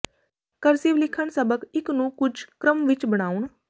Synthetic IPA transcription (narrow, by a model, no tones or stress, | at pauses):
kəɾsiʋlɪkʰəɳsəbəkɪknũːkʊd͡ʒkɾəmʋɪt͡ʃbəɽ̃aːuɳ